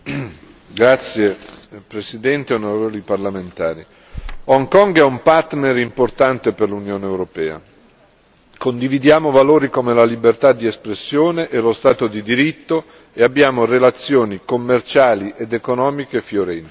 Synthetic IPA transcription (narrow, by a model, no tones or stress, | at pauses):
ɡɾat̪sːjepɾesid̪ɛnt̪eonoɾeevoliparlament̪aːɾi | ɔŋkɔŋɡɛumpart̪neɾimport̪ant̪eperlunjoːneewɾopɛːa̰ | kond̪ivid̪jaːmovaloːɾikomelalibert̪ad̪ːiespɾesːjoːneʔelost̪aːt̪od̪id̪iɾit̪ːo | eabːjaːmorelat̪sːjoːnikomːert͡ʃaːliʔed̪ekonɔːmikefjoɾɛnt̪i̥